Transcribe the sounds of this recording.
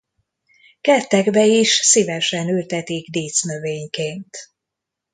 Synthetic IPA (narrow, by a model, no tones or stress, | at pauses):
kɛt̪ːɛɡbɛiʃsivɛʃɛnylt̪ɛt̪iɡd̪eːt̪snøveːɲkeːnt̪